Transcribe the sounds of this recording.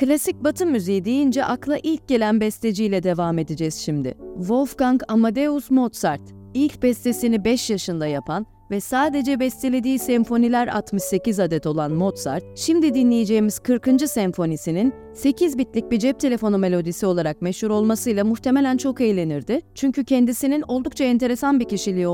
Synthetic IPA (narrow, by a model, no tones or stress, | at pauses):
klʲasic̚bat̪ʰɯmːyzejid̪ejind͡ʒɛʔaklˠaʔilʲc̚ɟe̞lʲænbɛst̪ʰe̞d͡ʒijlʲɛd̪e̞vaːme̞d̪id͡ʒɛz̥ʃimd̪ɪ̰vo̞lˠfkaŋkamad̪eusmo̞t̪saɾt̪ | ilʲc̚bɛst̪ʰe̞sinibɛʃjaʃɯnd̪ajapʰan | vɛsaːd̪e̞d͡ʒɛbɛst̪ʰelʲe̞d̪iːsɛmfo̞nilʲæɾa̰t̪mɯʃse̞cizad̪ɛt̪o̞lˠanmo̞t̪sa̰ɾt̪̚ʃimd̪id̪inlʲejed͡ʒe̞jimiz̥kʰɯɾkɯnd͡ʒɯsɛɱfo̞nisinin | se̞cʰizbit̪lʲic̚bid͡ʒɛp̚t̪ʰe̞lʲe̞fo̞nume̞lʲo̞d̪isio̞lˠaɾak̚mɛʃhuɾo̞lˠmasɯjlˠamuht̪ʰe̞me̞lʲænt͡ʃʰo̞kejlʲe̞niɾd̪ɪt͡ʃʰyɲcycʰɛnd̪isinino̞lˠd̪uk̚t͡ʃʰaɛnt̪ʰe̞ɾe̞sanbicʰiʃilʲijo